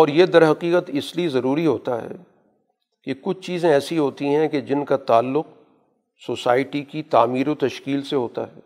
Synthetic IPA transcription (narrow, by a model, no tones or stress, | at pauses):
ɔːɾjed̪ɐɾɦɐqiːqət̪ɪsliezɐɾuːɾiɦoːt̪aɦɛ̰ː | kekʊt͡ʃʰt͡ʃiːzẽɛːsiɦoːt̪iɦɛ̃ked͡ʒɪnkat̪aːlːʊq̚ | soːsaːɪʈikit̪aːmiːɾot̪ɐʃkiːlseɦoːt̪a̰ɦɛ̰ː